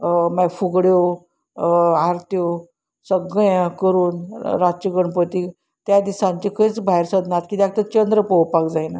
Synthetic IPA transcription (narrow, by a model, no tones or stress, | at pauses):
mafuɡɽjo | aɾt̪jo | səɡəjkəɾuːnɾat͡ɕiɡəɳpət̪i | t̪jad̪isãɲt͡ɕikʰəjt͡sbʱaeɾsəd̪nat̪kit̪jak̚t̪ət͡ɕənd̪ɾəpɔwpakd͡zajna